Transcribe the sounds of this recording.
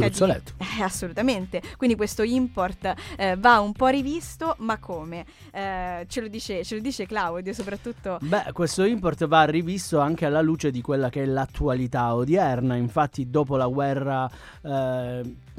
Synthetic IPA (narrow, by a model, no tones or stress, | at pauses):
kaolɛ̰t̪ːo̥asːolut̪ament̪ekwind̪ikwest̪oimport̪vaumpɔrivist̪omakʰːoːme | t͡ʃelod̪iːt͡ʃet͡ʃelod̪iːt͡ʃeklawd̪josopɾat̪ːut̪ːobɛkːwest̪oimport̪varːivist̪oaŋk̟ealːaluːt͡ʃed̪ikwelːakeɛlat̪ːualit̪aod̪jɛrnaiɱfat̪ʰːid̪oːpolaɡwɛrːa